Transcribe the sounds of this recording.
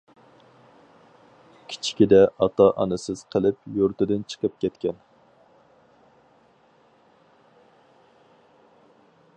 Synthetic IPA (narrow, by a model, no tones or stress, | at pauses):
kʲʰi̥t͡ʃʰi̥kʲid̪ɛɑt̪ɑʔɑ̰nɨsɪz̥qʰəlˠɪpjoɾt̪ɪd̪ɪnt͡ʃʰə̥qəp̚kʲʰɛt̪kʲɛn